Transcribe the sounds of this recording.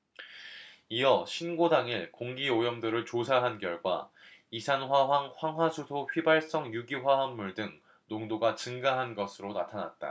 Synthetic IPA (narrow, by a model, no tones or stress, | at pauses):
ijʌɕʰinɡodaŋiɭkoŋɡiojʌmdɯɾɯɭt͡ɕosʰaɦankjʌɭɡwa̰ | isʰanɸwaɦwaŋɸwaŋɦwasʰodʰoɸɥibaɭs͈ʌŋjuɡiɸwaɦanːuɭdɯŋ | noŋdoɡat͡ɕɯŋɡaɦanɡʌsʰɯɾonatʰana̰t̚t͈a̰